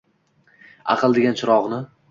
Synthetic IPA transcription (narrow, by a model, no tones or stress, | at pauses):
ɑ̰qʰɨlˠd̪eɡʲant͡ʃʰʊɾɒʁnɪ